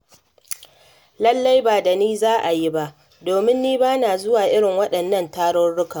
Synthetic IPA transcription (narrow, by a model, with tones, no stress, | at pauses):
lɐ˦lːa˦jbaː˨da˨niː˦zaː˦ʔa˨ji˦ba˦ʔ | doː˨mɪ˦nːiː˦baː˦naː˨zʊ˦waː˨ʔɪ˦ɽɪ˨ŋwɐ˦ɗɐ˨nːɐ˦˨ntaː˦ɽɔ˦rɽʊ˦ka˨